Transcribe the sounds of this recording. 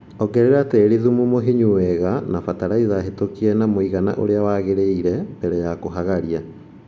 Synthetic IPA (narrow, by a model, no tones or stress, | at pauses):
ɔɡɛɾeɾateːɾiðumumoɦiɲuwɛɣanafataɾaiðaɦetokiɛnamoiɣana̰ʔo̰ɾeawaɣeɾeiɾɛbɛɾɛjakoɦaɣaɾia